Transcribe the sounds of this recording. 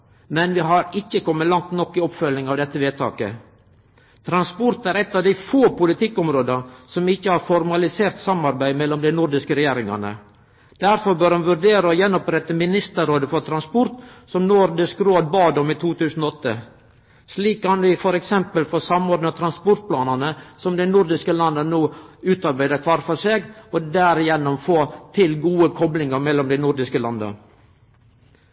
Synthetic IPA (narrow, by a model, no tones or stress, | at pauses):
mɛnʋɪɦɑɾɪçːəkʰɔmːəlɑŋt̪nɔkːɪɔpfœlnɪŋɑʋd̪ɛt̪ːəʋeːt̪ʰɑ̰ːkə̰ | t̪ʰɾɑnspɔɾt̪æɾɛt̪ːɑʋd̪æɪfoːpʊlɪt̪ɪkːɔmɾoːd̪əsɔmɪçːəhɑɾfɔɾmɑlɪseːɾt̪sɑmɑɾbæɪmɛlːɔmd̪æɪnʊɾd̪ɪskəɾɛjeːɾɪŋɑ̰nə̰ | d̪̥æɾfɔɾbœɾhɑnʋʉɾɖeːɾəɔjɛnːɔpɾɛt̪ːəmɪnɪst̪əɾoːd̪əfɔɾt̪ʰɾɑnspɔɾt̪sɔmnʊɾd̪ɪskɾoːd̪̚bɑːd̪ɔmiːt̪ʰuːt̪ʰʉːsn̩ɔɔt̪ːə | sliːkʰːɑnʋɪfɔɾɛksɛmpəlfɔsɑmoːɾd̪nt̪ʰɾɑnspʊɾt̪̚pʰlɑːnɑnəsɔmd̪ɛɪnʊɾd̪ɪskəlɑnːənuːʉːt̪ɑɾbæɪd̪əkʰʋɑːɾfɔʂeːɡɔd̪æɾɪjɛnːɔmfoːt̪ʰɪlɡuːəkʰɔblɪŋɑɾmɛlːɔmd̪æɪnʊɾd̪ɪskəlɑnd̪ə̰